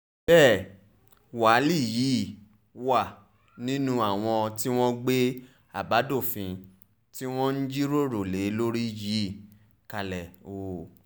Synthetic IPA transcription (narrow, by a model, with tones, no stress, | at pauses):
bɛː˦˨ | wa˨˦li˦˨jiː˨˦˨ | wa˦˨ | nĩ˦nũ˦a˦˨w̃ɔ̃˧ti˦w̃ɔ̃˦ɡ͡be˦ | a̰˨ba˨˦do˦˨fĩ˧ | ti˦w̃ɔ̃˦n̩˦d͡ʒi˦ɾo˦ɾo˨le˨˦lo˦ɾi˦ji˨˦˨ | ka˧lɛ˨o˨